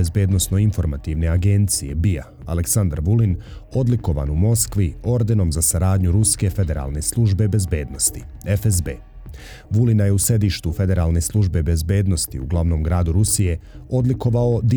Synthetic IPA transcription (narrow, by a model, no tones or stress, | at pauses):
ezbe̞ːd̪no̞sno̞info̞ɾmat̪iʋne̞aɡe̞nt̪sije̞̰bija̰ | a̰leksand̪aɾʋulin | o̞d̪liko̞ʋa̰numo̞skʋio̞ɾd̪eno̞mzasaɾaːd̪ɲuɾuske̞fe̞d̪e̞ɾa̰lˠne̞slˠuʒbe̞be̞zbe̞ːd̪no̞st̪i̥ | efezbḛː | ʋulinaje̞use̞d̪iːʃt̪ufe̞d̪e̞ɾalˠne̞slˠuʒbe̞be̞zbe̞ːd̪no̞st̪ḭuɡlˠaʋno̞mɡɾaːd̪uɾusije̞o̞d̪liko̞ʋao̞d̪i